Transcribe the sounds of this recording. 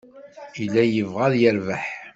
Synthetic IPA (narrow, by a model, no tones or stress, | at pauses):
ilːæjəvʁæðjəɾvæħ